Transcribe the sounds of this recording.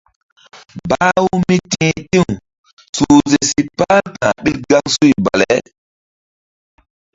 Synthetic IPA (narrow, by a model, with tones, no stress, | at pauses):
ba˦wu˦mi˦tĩ˦tĩ˦˨ŋ | su˨ze˨si˨pa˦ltãː˨ɓi˦lɡa˦ŋsu˦jba̰˨le˨˦